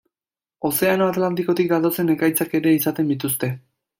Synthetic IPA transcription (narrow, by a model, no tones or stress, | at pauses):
o̞se̞anoat̪lant̪iko̞t̪ik̚d̪at̪o̞se̞ne̞kajt͡sake̞ɾe̞isat̪e̞nd̪it̪ust̪e̞